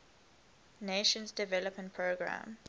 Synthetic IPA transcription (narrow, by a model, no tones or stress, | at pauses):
neʃə̃nsdɛvɛləpmə̃nt̚pʰɹoɡɹã̰m